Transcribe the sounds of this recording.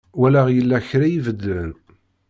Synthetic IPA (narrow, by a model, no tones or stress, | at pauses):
wælaʁjəlːæçɾajivəd̪ən